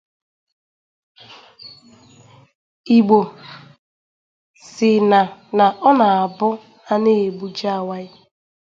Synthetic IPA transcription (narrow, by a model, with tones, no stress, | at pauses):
i˨ɡ͡bo˨ | sɪ˨na˨na˨ʔɔ˦na˨a˨bʊ˦ | a˦ne˦e˨ɡ͡bu˦d͡ʒa˦˨wa˦ɪ˦